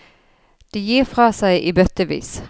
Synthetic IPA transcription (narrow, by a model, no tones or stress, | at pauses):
d̪̥ɛjiːʁfʁɑːsæɪʔiːbœt̪əʋḭːs